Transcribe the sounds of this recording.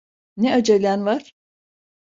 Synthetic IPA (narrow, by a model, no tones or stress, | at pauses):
nɛad͡ʒelʲænvaɾ̥